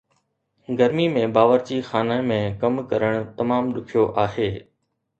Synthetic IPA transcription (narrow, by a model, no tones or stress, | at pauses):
ɡɐɾmimẽbaːʋəɾt͡ɕixaːnaːẽmẽkɐmkɐɾəɽ̃t̪ɐmaːmɗʊkʰijoʔaːɦeː